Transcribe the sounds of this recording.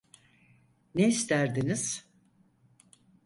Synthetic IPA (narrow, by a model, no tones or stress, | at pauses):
neist̪ʰæɾd̪iniz̥